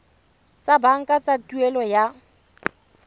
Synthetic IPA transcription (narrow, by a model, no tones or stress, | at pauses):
t͡sʼabaŋ̩kʼat͡sʼatʼuɛlɔja